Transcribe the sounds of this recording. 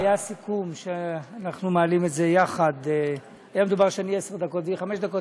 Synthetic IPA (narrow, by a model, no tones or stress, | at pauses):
ajasikumʃeanaχnumeːlimetze̞jaχad̪ | ajamed̪ubaʁʃeaniesd̪ako̞t̪viχameʃd̪ako̞t